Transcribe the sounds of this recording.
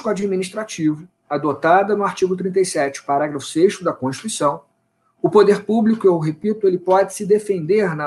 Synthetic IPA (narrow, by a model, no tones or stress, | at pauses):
kuad͡ʒiminiʃt̪ɾat͡ʃivʊ | ad̪ot̪ad̪ɐnʊaɾt͡ʃiɡʊt̪ɾĩnt̪ejsɛt͡ʃɪʊ̥paɾaɡɾɐfʊ̥sejʃt̪ʊd̪ɐkõʃi̥t̪uisɐ̃w̃ | ʊpod̪eɾpublikʊeɦepit̪ʊelɪpɔd͡ʒɪsɪd̪efẽnd̪eɾnɐ